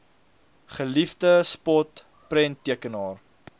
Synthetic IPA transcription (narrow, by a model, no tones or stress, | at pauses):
χəlifdəspɔt | prɛntːiəkənɑːr